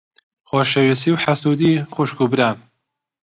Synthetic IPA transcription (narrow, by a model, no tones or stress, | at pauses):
xoʃewisiwħasud̪ixuʃkubɾaːn